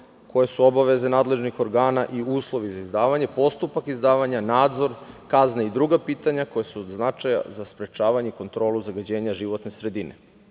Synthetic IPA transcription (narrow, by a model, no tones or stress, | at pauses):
ko̞jesuo̞baʋe̞ze̞naːd̪le̞ʒnixo̞ɾɡaːnaʔiuːslˠo̞ʋizaizd̪aːʋaɲe̞po̞st̪upakizd̪aːʋaɲanaːd̪zo̞ɾkaznaid̪ɾuɡapiːt̪aɲako̞jesuod̪znat͡ʃaja̰zaspɾe̞t͡ʃaːʋaɲeiko̞nt̪ɾo̞ːlˠuzaɡad͡ʑe̞ːɲaʒiʋo̞t̪ne̞sɾe̞d̪inʔe̞̰